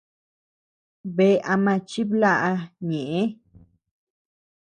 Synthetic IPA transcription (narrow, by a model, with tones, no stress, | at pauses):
be˧a˧mã˧t͡ʃi˦bla˦˧ʔɲe˨e˦